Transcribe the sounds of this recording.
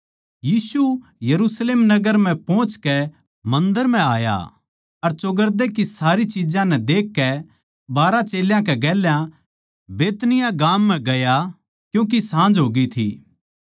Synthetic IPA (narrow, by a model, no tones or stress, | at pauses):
jiːsujɐɾuːsleːmnɐɡəɾm̤ɛ̃pɔ̃ːt͡ʃkɛ | mɐ̃nd̪əɾm̤ɛ̃aːja̰ | ɐɾt͡ʃʊɡəɾd̪ekisaːɾit͡ʃid͡ʒãnɛ̃d̪eːkːɛ | baːɾat͡ʃeːljãkɛɡɛːljã | beːt̪nɪjaɡaːmːɛ̃ɡɐja | kjũːk̬isãːnd͡ʒɦoːɡit̪ʰḭː